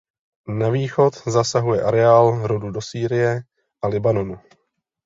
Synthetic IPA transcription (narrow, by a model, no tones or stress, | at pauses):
naviːxo̞t̪zasaɦujɛʔaɾɛaːlɾodudo̞siːɾɪjɛ | ʔalɪbano̞nu